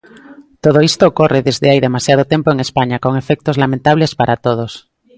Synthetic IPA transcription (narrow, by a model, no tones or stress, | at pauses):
t̪oð̞oist̪oːkoreðezðeajðemasjað̞ot̪empoeŋespaɲakoŋefek̚t̪ozlamẽnt̪aβ̞lespaɾat̪oð̞os